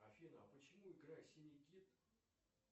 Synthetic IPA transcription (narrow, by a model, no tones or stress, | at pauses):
ɐfʲinəɐpət͡ɕɪmuɪɡɾajsʲɪnʲɪkʲit̪